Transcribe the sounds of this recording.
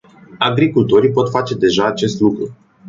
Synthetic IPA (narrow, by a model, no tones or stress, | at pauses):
aɡɾikult̪o̞ɾipo̞t̪fat͡ʃe̞d̪e̞ʒaːt͡ʃe̞st̪lukɾu